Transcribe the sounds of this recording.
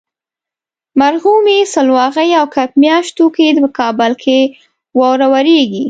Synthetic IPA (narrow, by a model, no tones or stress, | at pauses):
maɾhumesəlwɑɣəjawkapmjɑʃt̪oked̪əəkʰɑbəlkʰe | wɑwɾawaɾeɡi